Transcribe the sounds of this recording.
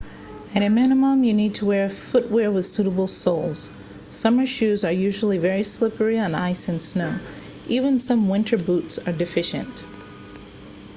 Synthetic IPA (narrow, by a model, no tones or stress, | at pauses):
ɨɾɨmænəmə̃mjɨnid̚tʰəwɛɹɨfʊt̚wɛɹwɨð̥sʉɾəbl̩ˠsoʊlˠz̥ | sʌmə˞ʃʉzə˞jʉʒl̩ˠivɛɹislɪpə˞iə̃na̰ɪsɨ̃nsnoʊ | ʔivɨ̃nsʌ̃mwɪ̃ntʰə˞butsə˞dɨfɪʃɨ̰̃nt